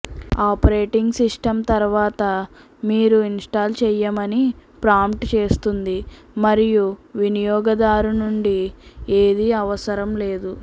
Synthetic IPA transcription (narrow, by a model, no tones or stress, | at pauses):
aːpɐɾeːʈiŋɡsisʈɐmt̪ɐɾuʋaːt̪ɐ | miːɾuinsʈaːlt͡ʃɛjːɐmɐnipɾaːmpʈt͡ʃe̞ːst̪und̪i | mɐɾijuʋinijɔːɡɐd̪aːɾunuɳɖieːd̪iɐʋɐsɐɾɐmle̞ːd̪u